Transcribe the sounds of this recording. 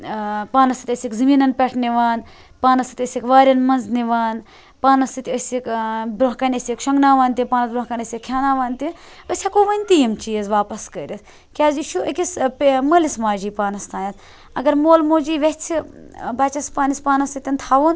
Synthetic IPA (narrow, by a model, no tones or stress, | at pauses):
paːnɐsit̪ʲəsʲikzɨmiːnɐnpʲɛʈʰniʋaːn | paːnɐsit̪ʲəsʲikʋaːɾʲɐnmɐnzniʋaːn | paːnɐst̪it̪ʲəsʲikbɾoɦkɐnʲɐsʲikʃɐŋɡnaːʋaːnʲt̪ʲipaːnɐt̪bɾɐɦkɐnʲəsʲikʰjaːnaːʋaːnʲt̪i | əsʲakoːʋɐnʲt̪ijimt͡ʃiːɐzʋaːpɐskəːɾʲis | kʲaːzʲiʃuəkʲispməlismaːd͡ʒiːpaːnɐst̪ʰaːnʲɐt̪ | ɐ̰ɡɐɾmoːlmoːd͡ʒiːʋet͡sʰibaːt͡ʃɐspaːnispaːnɐst̪it̪ʲɐnt̪ʰaːʋun